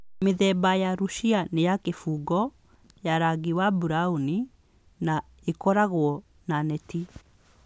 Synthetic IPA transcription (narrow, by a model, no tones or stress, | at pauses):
meðɛbajaɾuʃianejakefuɡɔ | jaɾaɡiwabuɾauni | na | ekɔɾaɣwɔ | nanɛti